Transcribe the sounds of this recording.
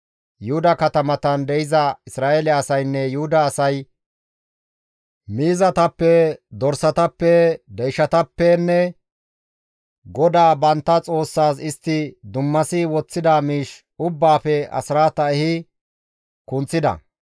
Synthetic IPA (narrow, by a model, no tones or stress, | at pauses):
jʊhʊd̪ɐkɐt̪ɐmɐt̪ɐnd̪ɛɪzɐɪsɾaːelɛɐsɐjnːɛjʊhʊd̪ɐːsɐj | miːzɐt̪ɐpːɛd̪ɔɾsɐt̪ɐpːɛd̪ɛjʃɐt̪ɐpːɛnːɛ | ɡɔd̪aːbɐnt̪ːɐt͡sʼo̞ːsːaːsɪst̪ːɪd̪ʊmːɐsɪwɔt͡sːɪd̪amiːʃ | ʊbːaːfɛɐ̰sɪɾaːt̪ɐɛhɪ | kʊnt͡sːɪd̪ɐ̰